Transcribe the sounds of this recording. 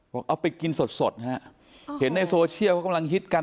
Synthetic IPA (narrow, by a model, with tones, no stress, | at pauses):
bɔː˨˩k̚ʔa˧˩wpa˧jki˧nso˨˩t̪̚so˨˩t̪̚ha˦˥ | he˩˦nːa˧jsoː˧t͡ɕʰi˥˩kʰa˥˩ka˧mla˧ŋɦʰi˦˥t̪̚ka˧